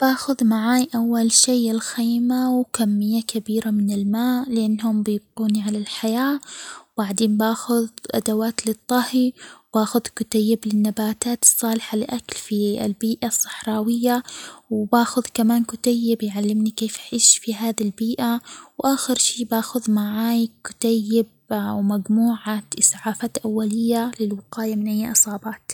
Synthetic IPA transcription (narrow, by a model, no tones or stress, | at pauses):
b̥aːxʊðmaʕaːjʔawːalʃiːɪlxiːmawkamːɪjːakabiːɾamɪnɪlmaːʔlɪʔanːhʊmbɪb̚quːniʕalalħajaːbaʕd̪eːnbaːxʊðʔa̰d̪awaːt̪lɪt̪ˤːɑhibaːxʊðkʊt̪ajːɪblɪnːabaːt̪aːt̪ɨ̥sˤːɑːlɪħalɪʔaklfiɪ̰lbiːʔasˤːɨ̥ħɾˤɑːwɪjːawbaːxʊðkamaːnkʊt̪ajːɪbjʕalːɪmnikeːfaħiːʃfiɦaːðilbiːʔawʔaːxɪɾʃiːbaːxʊðmaʕaːjkʊ̥t̪ajːɪb̚ | wmaɡmuːʕaʔɪsˤʕaːfaːt̪ʔawːalɪjːalɪlwɪqɑːjamɪnʔajːʔɨsˤɑːbɑːt̪